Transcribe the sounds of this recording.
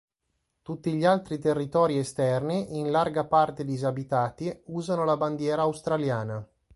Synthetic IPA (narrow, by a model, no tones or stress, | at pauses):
t̪ut̪ːiʎialt̪ɾit̪erːit̪ɔːɾiest̪ɛrniʔinlarɡapart̪ed̪izabit̪aːt̪iuːzanolaband̪jɛːɾaːwst̪ɾaljaːna